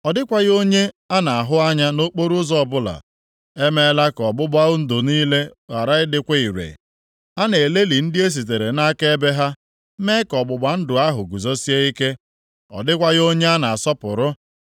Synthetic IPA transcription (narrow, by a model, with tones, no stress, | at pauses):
ɔ˨dɪ˦kʷa˦ɣo˦ɲe˦ | a˦na˨a˨ɦʊ˦a˦ɲa˦no˦k͡po˦ɾʊ˦zɔ˨bʊ˦la̰˨ | e˦me˦la˦kɔ˨bʊ˦ba˦ʊ˦n̩˦dʊ˨niː˦le˦ɣa˨ɾa˦ɪ˦dɪ˦kʷe˦i˨ɾḛ˨ | a˦ne˨le˦li˨n̩˦dɪ˦e˦s̬i˨t̬e˨ɾe˨na˦ke˦be˦ɦa˦ | me˦kɔ˨ɡ͡bʊ˨ɡ͡ba˨n̩˦dʊ˨a˦ɦʊ˨ɡu˨zo˦si˦e˦i˦ke˦ | ɔ̰˨dɪ˦kʷa˦ɣo˦ɲe˦a˦na˨a˨sɔ˦pʊ˨ɾʊ˦